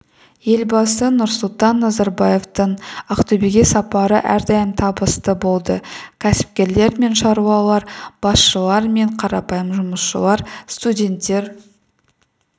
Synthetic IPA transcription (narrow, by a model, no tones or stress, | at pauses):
je̞lbɑsənʊɾsʊlˠt̪ɑnːɑzɑɾbɑje̞ft̪əɴɑqt̪ɵbeɡʲesɑpɑɾəʔæɾd̪ɑjəmt̪ʰɑbəst̪əbo̞lˠd̪əkʲʰæsɪ̥p̚kʲe̞ɾle̞ɾme̞nʃɑɾuwɑlˠɑɾb̥ɑsʃəlˠɑɾme̞ɴqʰɑɾɑpɑjəmʒʊməsʃə̰lˠɑɾst̪udʲe̞nt̪ːe̞ɾ